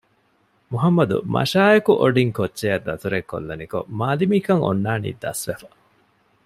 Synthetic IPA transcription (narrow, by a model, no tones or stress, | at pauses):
muɦɐmːɐd̪ṵmɐ̰ʃaːjɐkuʔoɖiŋkotːʃejɐd̪ːɐt̪uɾekːo̰lːɐniko̰maːlimiːkɐŋo̰nːaːnḭːd̪ɐ̰sʋefɐ